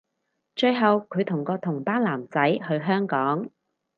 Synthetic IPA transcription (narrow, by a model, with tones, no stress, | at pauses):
t͡ʃɵ˧ɥɦɐ˨wkʰɵ˨˧ɥt̪ʰʊ˨˩ŋkɔː˧t̪ʰʊ˨˩ŋpaː˥nlaː˨˩mt͡sɐ˨˥jhɵ˧ɥɦœː˥ŋkɔː˨˥ŋ